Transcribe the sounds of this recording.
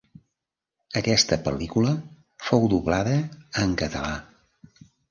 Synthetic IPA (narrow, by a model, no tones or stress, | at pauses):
əkɛst̪əpəlikulə | fowd̪uβlaðəːŋkət̪əla